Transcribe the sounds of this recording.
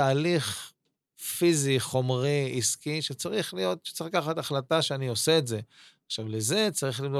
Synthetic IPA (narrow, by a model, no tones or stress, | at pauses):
aːliχ | fiziχo̞mʁiiskiʃet͡saʁiχlijo̞t̪ʃe̥t͡sikaχat̪aχlataʃeanio̞seːtze̞aχʃavleze̞t͡saʁiχlimdo